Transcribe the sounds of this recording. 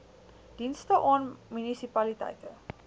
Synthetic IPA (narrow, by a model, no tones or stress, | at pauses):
d̥instəʔɔnmunisipalitɐ̰jtə